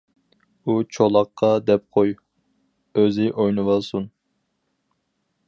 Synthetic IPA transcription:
ut͡ʃʰolˠɑqʰːɑd̪ɛp̚qʰoj | øzɪʔojnɨwɑlˠsun

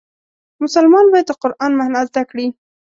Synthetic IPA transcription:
mʊsalmɑnbɑjad̪̚ːəqʊɾʔɑnmahnazd̪akɽi

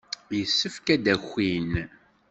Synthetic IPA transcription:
jəsːəfkæd̪æxʷːin

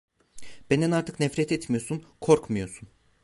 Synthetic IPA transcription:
b̥end̪ɛnaɾt̪ʰɯ̥knɛfɾɛt̪ʰɛt̪mijosunkʰoɾkmɯjo̞sun

